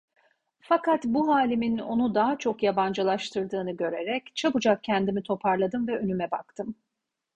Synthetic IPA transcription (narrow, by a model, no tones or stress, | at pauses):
fakʰat̪buɦaːlʲimino̞nud̪aɦat͡ʃʰo̞kjaband͡ʒalˠaʃt̪ʰɯɾd̪ɯːnɯɟø̞ɾe̞ɾɛct͡ʃʰabud͡ʒak̚cːʰɛnd̪imit̪ʰo̞pʰaɾlˠad̪ɯmvɛønymɛba̰kt̪ʰɯm